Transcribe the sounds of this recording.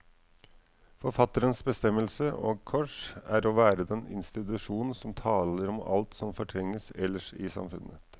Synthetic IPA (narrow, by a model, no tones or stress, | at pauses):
fɔɾfɑt̪əɾənsbəst̪ɛmːəlsəʔo̰ːɡ̚kʰɔʂæːɾoːʋæːɾəd̪ɛnɪ̰nst̪ɪt̪ʉʂuːnn̩sɔmt̪ʰɑːləɾɔmɑ̰lt̪sɔmfɔʈʰɾɛŋːəsɛlːəʂɪsɑ̰mfʉ̰nːət̪